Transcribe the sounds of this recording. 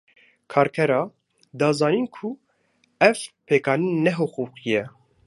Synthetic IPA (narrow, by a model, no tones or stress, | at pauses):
kʰɑːɾkʰɛɾɑ | d̪ɑːzɑːniːnkʰu | ɛvpʰekɑːninɛɦoquqijɛ